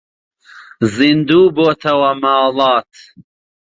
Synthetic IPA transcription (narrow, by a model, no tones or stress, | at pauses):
zind̪uːboːt̪ʰɐwɐmɑːlɑːt̪